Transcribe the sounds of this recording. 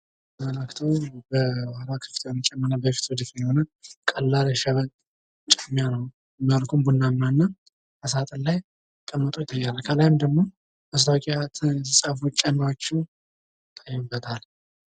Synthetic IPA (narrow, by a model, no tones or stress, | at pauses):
mələkt̪ʰəwbəwahɾakʰɨ̥ft̪ʰwnət͡ʃʼɛmːənabəfi̥t̪ʰwɔd͡ʒ̪ɪt̪ɨnhonəkʼəlːalʃɛβən | t͡ʃʼɛmːijanəw | məɾkʰumbunːamːanːa | ʔəsat̪ʼənlaj | kʼəmːət̪ʼojɪt̪ʰʼːajːalalkʰəlajɪmd̪əɡmo̞ | ʔəs̬lawkʼiat̪ʰɨsʼafut͡ʃʼːɛmːawot͡ʃːɛw | t̪ʰʼəjːɛbːət̪ʰal